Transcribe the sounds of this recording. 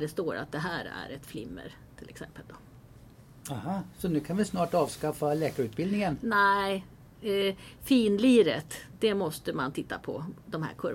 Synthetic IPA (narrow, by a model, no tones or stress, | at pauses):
ɖɛst̪oːɾa̰t̪̚d̪ɛɦæːɾæ̰ɾɛt̪flɪmːə̰ɾ | t̪ʰɪlʔɛksɛmpəld̪ɔ | ahaːsɔnʉ̟ːkʰanvɪsnɑːʈɑːvskafalɛːkaɾʉ̟ːt̪̚bɪld̪nɪŋənnɛɪ | fiːnliːɾət̪d̪̥ɛmɔst̪əmant̪ʰɪt̪ːapʰɔ̰d̪ɔmɦæ̰ːɾkʰɵɾ